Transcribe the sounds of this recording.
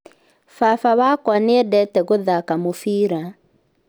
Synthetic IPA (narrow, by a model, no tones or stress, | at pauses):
fafaβakwaneɛdɛtɛɣoðakamofiɾa